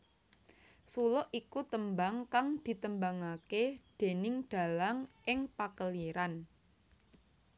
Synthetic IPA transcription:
sulɔʔikut̪əmbaŋkaŋd̪̥i̤t̪əmbaŋaked̪̥e̤nɪŋd̪̥a̤laŋʔɪŋpakəleɾan

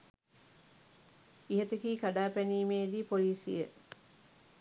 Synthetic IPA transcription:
iɦet̪ekiːkaɖaːpæniːmeːd̪iːpoliːsḭjə

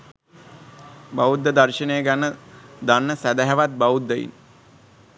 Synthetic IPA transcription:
baʋud̪ːəd̪arʃənejəɡanːəd̪anːəsæd̪æɦɛʋat̪̚baud̪ːəjḭn

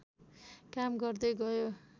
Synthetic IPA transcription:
kamɡʌrd̪ʌjɡʌjo

